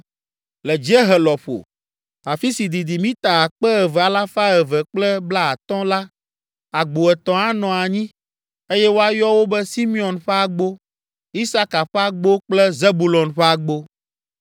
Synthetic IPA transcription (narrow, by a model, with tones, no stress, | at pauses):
lɛ˨d͡ʒɛ˦ɦɛ˨lɔ˨ɸo̰˨ | a˨fi˦si˨d̪i˨d̪i˨mĩ˦t̪a˨a˨k͡pɛ˦ɛ˨vɛ˨a˨la˦fa˦ɛ˨vɛ˨k͡plɛ˦bla˦a˨t̪ɔ̃˦la˦ | a˨ɡ͡bo˨ɛ˨t̪ɔ̃˨a˦nɔ̃˨a˨ɲĩ˦ | e˦jɛ˦wo˦a˦jɔ˦wo˦bɛ˦si˦mĩ˦ɔ̃˨nɸɛ˦a˦ɡ͡bo˦ | i˦sa˦ka˨ɸɛ˦a˦ɡ͡bo˦k͡plɛ˦ze˦bu˦lɔ˨nɸɛ˦a˨ɡ͡bo˦